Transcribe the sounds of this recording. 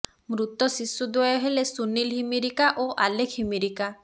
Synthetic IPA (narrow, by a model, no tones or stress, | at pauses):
mɾut̪ɔsisːud̪wɔjɔɦelesunilɦimiɾikaʔoʔalekʰhimiɾika